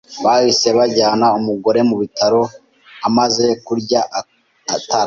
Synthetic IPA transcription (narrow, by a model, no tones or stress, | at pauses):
βahise̞βaɟaːnaumuɡo̞ɾe̞muβitʰaɾo̞ | amaze̞kuɾɟa | taɾ